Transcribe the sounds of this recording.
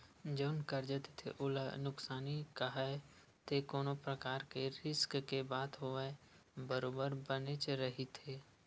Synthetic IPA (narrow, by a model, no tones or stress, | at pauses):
d͡ʒəʊnkəɾd͡ʒət̪e̥t̪ʰḛʔʊlanʊksaːnikaɦae | t̪ekoːnopɾəkaːɾkeɾɪskkebaːt̪ɦoe | bəɾoːbəɾbənet͡ʃeɾɐɦit̪ʰeː